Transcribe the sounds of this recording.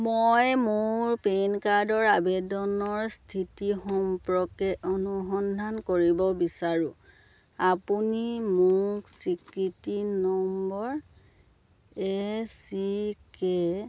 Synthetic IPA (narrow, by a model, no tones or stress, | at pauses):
mojmʊɹpenkaɹdɔɹabedɔnɔɹstʰitixɔmpɹɔkɛʔɔnuxɔndʱankoɹibɔbisaɹũ | apunimʊksikɹitinɔmbɔɹ | esike